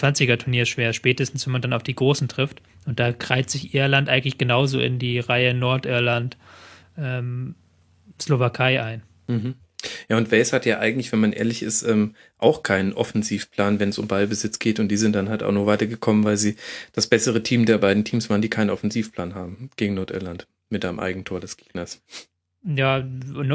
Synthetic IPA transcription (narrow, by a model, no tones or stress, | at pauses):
t͡sv̥ant͡sɪɡɐtʰuɐniːɐʃv̥eːɐʃpɛːtəstn̩sv̥ɛnmandanaʊfd̥iːɡʁoːsn̩tʁ̥ɪft | ʔʊnt̚d̥aːɡʁ̥aɪz̥ɪçʔɪɐlantʔaɪɡŋ̩tlɪçɡ̥ənaʊzo̰ːʔɪ̰ndiːʁaɪənɔɐtʔɪɐlant | ʔɛːm | slovakʰaɪʔaɪn | m̩ɦ̩ | jaːʊntv̥ɛɪshatjaːʔa̰ɪɡŋ̩tlɪçv̥ɛnmanʔḛːɐlɪçɪsʔɛːm | ʔaʊxkʰaɪnənʔɔfɛnziːfpʰl̥aːnvɛnsʊmbalbəzɪt͡sɡ̥eːtʊnt̚d̥iːzɪnt̚d̥anɦalta̰ʊxnuːɐv̥aɪtɐɡəkʰɔmənvaɪlziːd̥asb̥ɛsəʁətʰiːmdeːɐbaɪdn̩tʰiːmsv̥aːʁəndiːkʰaɪnənɔfɛnziːfpl̥aːnɦaːbm̩ɡ̥eːɡŋ̩nɔɐtʔɪ̰ɐlant | mɪt̚d̥ʔaɪnəmʔa̰ɪɡŋ̩tʰoːɐdɛsɡ̥e̥ːɡ̥nɐs | jaːn